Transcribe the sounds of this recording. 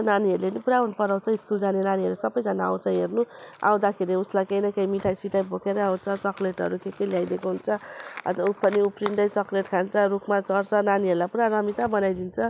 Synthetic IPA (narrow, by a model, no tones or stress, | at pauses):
naniɦʌɾulenipuɾaɦunupʌɾaw̃t͡sʰʌiskuld͡zanenaniɦʌɾusʌbʌjd͡zanaaw̃t͡sʰʌɦernua̰w̃d̪akʰeɾiuslajkejnʌkʌjmiʈʰajsiʈajbʱokʰeɾʌaw̃t͡sʰʌt͡sʌkleʈɦʌɾukʰekʌljajd̪ekoɦunt͡sʰʌʌ̰t̪upʌniuprinʈʌjt͡sʌkleʈkʰant͡sʰʌɾukʰmat͡sʌrt͡sʰʌnaniɦʌɾulapuɾaɾʌmit̪abʌnajd̪int͡sʰʌ